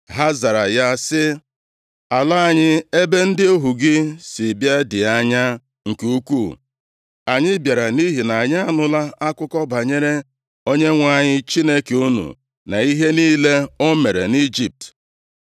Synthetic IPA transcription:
ɦa˦za˨ɾa˨ja˦sɪ˦ | a˨la˦a˨ɲɪ˦e˦be˦n̩˦dɪ˦o˦ɦu˨ɡɪ˦sɪ˨bja˦dɪ˨a˦ɲa˦ | ŋ̩˨ke˦u˦kʷu˦˨ | a˨ɲɪ˦bja˨ɾa˨ni˦ɦi˨na˨a˨ɲa˦a˦˨nʊ˦la˦a˦kʷʊ˦kɔ˦ba˨ɲe˦ɾe˦ | o˦ɲe˦ŋʷa˦˨ɲɪ˦t͡ʃi˦ne˦ke˨u˦nṵ˨ | na̰˨i˦ɦe˦niː˦le˦o˦me˨ɾḛ˨ni˦d͡ʒi˨p̚t

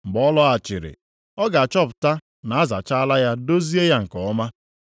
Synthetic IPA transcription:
m̩˨ɡ͡bɔ˦lɔ˦a˨t͡ʃɪ̰˨ɾɪ̰˨ | ɔ˦ɡa˨a˨t͡ʃɔ˦pʊ̥˨ta˦ | na˨a˦za̰˨t͡ʃa˦a˦la˦ja˦do˦zi˦e˦ja˦ŋ̩˨kɔ˨ɔ˦ma˦

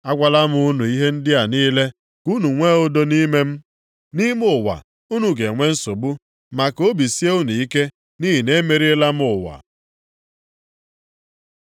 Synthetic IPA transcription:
a˦kʷa˦la˦m˦u˦nu˨i˦ɦe˦n̩˦dɪ˦a˨niː˦le˦ | ku˦nu˨ŋʷe˦o˦do˦ni˦me˦m̩˦ | ni˦m˦ʊ˦˨wa̰˨ | u˦nu˨ɡe˨ŋʷe˦n̩˦so˨bu˦ | ma˨ko˦bi˨si˦e˦u˦nu˨i˦ke˦ | ni˦ɦi˨ne˦me˨ɾi˦la˦m˦ʊ˨wa̰˨

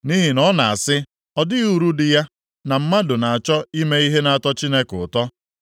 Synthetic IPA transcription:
ni˦ɦi˨nɔ˦na˨a˨sɪ˦ | ɔ˦dɪ˦u˨ɾu˦dɪ˨ja˦ | na˨m̩˦ma˦dʊ˨na˨a˨t͡ʃɔ˦i˦me˦i˦ɦe˦na˨a˦˨tɔ˦t͡ʃi˦ne˦kʊ˨tɔ˦

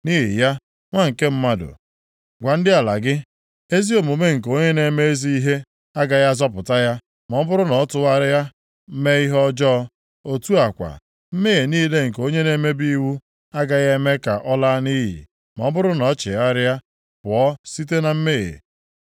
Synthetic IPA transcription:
niː˦ɦḭ˨ja˦ | ŋʷa˦ŋ̩˨ke˦m̩˦ma˦dʊ̰˨ | ɡʷa˨n̩˦dɪ˦a˨la̰˨ɡɪ˦ | e˦zi˦o˨mu˨me˦ŋ̩˨k̬o˦ɲe˦ne˦me˦e˦zi˦i˦ɦe˦ | a˦ɡa˨ja˦zɔ˦p̬ʊ˨ta˦ja˦ | mɔ˨˦bʊ˦ɾʊ˦nɔ˨˦tʊ˦ɣa˦ɾɪ˦ja˦ | m̩˦me˦i˦ɦɔ˦d͡ʒɔ˦ | o˨tu˦a˨kʷa̰˨ | m̩˦me˦e˨niː˦le˦ŋ̩˨ko˦ɲe˦ne˦me˦bi˦wu˦ | a˦ɡa˨ɣa˦me˦ka̰˨ʔɔ˦la˦ni˦ɦḭ˨ | mɔ˨˦bʊ˦ɾʊ˦nɔ˨˦t͡ʃɪ̰˨a˦ɾja˦ | pʊ˨ɔ˦si˦t̬e˦na˨m̩˦me˦ɣḛ˨

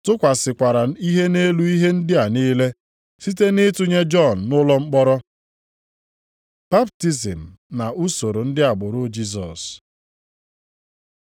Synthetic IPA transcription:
tʊ˦kʷa˨sɪ˨kʷa˨ɾa˨i˦ɦe˦ne˦lu˦i˦ɦe˦n̩˦dɪ˦a˨niː˦le˦ | si˦te˦nɪ˦tu˦ɲe˦d͡ʒɔ˦˨n̩˨nʊ˦lɔ˦ŋ͡m̩˦k͡pɔ˦ɾɔ˦ | b̥a˦p̚ti˦zi˨m̩˨na˨ʔu˦so˨ɾo˨n̩˦dɪ˦a˨ɡ͡bʊ˨ɾʊ˦d͡ʒi˦z̬ɔ̰˨s

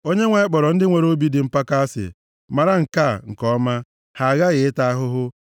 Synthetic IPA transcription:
o˦ɲe˦ŋʷa˨ɪ˦k͡pɔ˨ɾɔ˨n̩˦dɪ˦ŋʷe˨ɾo˦bi˦dɪ˨m̩˦pa˦ka˦a˦sɪ̰˨ | ma˨ɾa˦ŋ̩˨ka˦˨ŋ̩˨kɔ˦ma˦ | ha˨a˨ɣa˦ɣɪ˨ɪ˦ta˦a˦ɦʊ˦ɦʊ˦

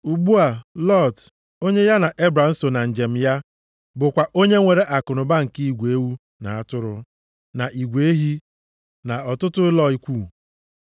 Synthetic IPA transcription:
u˨ɡ͡bu˦a˨lɔ˦˨t | o˦ɲe˦ja˦na˨ʔe˦bɾa˨n̩˦so˨na˨n̩˨d͡ʒe˨m̩˨ja˦ | bʊ˨kʷa˨ʔo˦ɲe˦ŋʷe˨ɾe˦ʔa˨kʊ˨nʊ˨ba˦ŋ̩˨ki˦i˦˨ɡʷe˦wu˦ | na̰˨a˦tʊ˦ɾʊ˦ | na˨ʔi˨ɡʷe˦ɦi˦ | na˨ɔ˨tʊ˦tʊ˦ɪ˦lɔ˦i˦kʷu˦˨

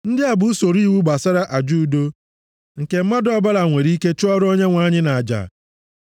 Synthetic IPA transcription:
n̩˦dɪ˦a˨bʊ˨u˦so˨ɾi˦wu˦ɡ͡ba˨sa˦ɾa˦ʔa˨d͡ʒu˦˨do˦ | ŋ̩˨ke˨m̩˦ma˦dɔ˦ba˦la˨ŋʷe˨ɾi˦ke˦t͡ʃʊ˦ɔ˦ɾo˦ɲe˦ŋʷa˨˦ɲɪ˦na˨a˨d͡ʒa̰˨

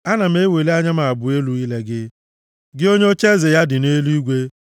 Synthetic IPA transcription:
a˦na˨m̩e˦we˨le˦a˦ɲa˦ma˨bʊ˨e˦lu˨˦i˦le˦ɡɪ˦ | ɡɪ˦o˦ɲe˦o˦t͡ʃe˦ze˨ja˦dɪ˨ne˦li˦ɡʷe˦

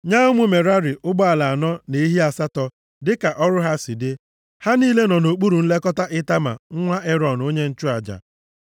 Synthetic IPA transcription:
ɲa˦ʊ˦mʊ˦me˨ɾa˦ɾɪ˨ʔʊ˦ɡ͡bɔ˦a˨la˨a˨nɔ˦ne˨i˦ɦi˦a˨sa˦tɔ˨ | dɪ˦ka˨ʔɔ˦ɾʊ˦ɦa˦sɪ˨dɪ˦ | ha˦niː˦le˦nɔ˨no˨k͡pu˦ɾu˨n̩˦le˦kɔ˦ta˦ʔɪ˦ta˦ma̰˨ŋ̩˦ŋʷa˦ʔe˦ɾɔ˨n˨o˦ɲe˦n̩˦t͡ʃu˦a˨d͡ʒa̰˨

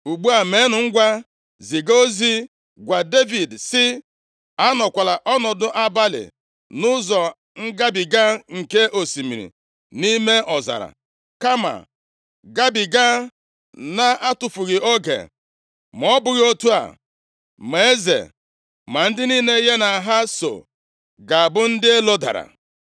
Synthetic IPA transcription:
u˨ɡ͡bu˦a˨me˨˦nʊ˨ŋ̩˦ɡʷa˦ | zi˨ɡo˦zi˦ | ɡʷa˨de˦vi˨dsɪ˦ | a˦nɔ˨kʷa˨la˨ʔɔ˦nɔ˨dʊ˦ʔa˦ba˦lɪ̰˨ | nʊ˦zɔ˨ | ŋ̩˦ɡa˦bi˨ɡa˦ŋ̩˨ke˦ʔo˨si˨mi˨ɾḭ˨ | ni˦me˦ʔɔ˨za̰˨ɾa̰˨ | ka˦ma̰˨ | ɡa˦bi˨ɡa˦ | na˦ʔa˦tʊ˨fʊ˨ɣɪ˨o˦ɡḛ˨ | m˨ɔ˦bʊ˨ɣo˦tu˦a̰˨ | m˨e˦e˦zḛ˨ | ma˨n̩˦dɪ˦niː˦ne˦ɦe˦na˨ɦa˦so̰˨ | ɡa˨a˨bʊ˦n̩˦dɪ˦e˦lo˦da̰˨ɾa̰˨

